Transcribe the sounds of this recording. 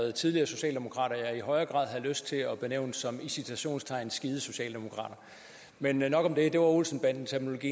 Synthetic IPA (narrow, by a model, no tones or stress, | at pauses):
ð̩ˠt͡sʰið̞ˠliɐːso̝ɕɛ̰ːld̥e̝mo̝kʰʁɑ̰̈ːɾ̥ɐjɑ̈ɪiɦɒ̽ɪɐɡ̥ʁɑ̰̈ðˠɦæðˠløsd̥̚t͡sʰe̝ɒ̽b̥ineʊ̰nd̥sɒ̽misit͡sʰæɕo̝̰ːnst͡sʰɑ̈ɪ̰nsɡ̥iːð̞̩ˠəso̝ɕɛ̰ːld̥e̝mo̝kʰʁɑ̰̈ːɾ̥ɐ | mennɒ̽ɡ̥ɒ̽md̥e̝d̥e̝ʋɑ̈olsn̩b̥æn̰d̥nt͡sʰeɐmno̝lo̝ɡḭː